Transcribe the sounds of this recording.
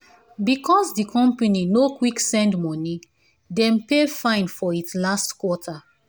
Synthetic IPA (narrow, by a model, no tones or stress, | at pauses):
bikɔsdikɔ̃mpaninokwiksɛ̃ndmɔni | dɛ̃mpefãɪ̃nfɔitslastkwɔtʰa